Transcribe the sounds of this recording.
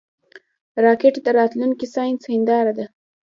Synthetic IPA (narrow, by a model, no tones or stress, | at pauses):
ɾɑkeʈd̪əɾɑt̪lunkisɑjnsɪnd̪ɑɾad̪a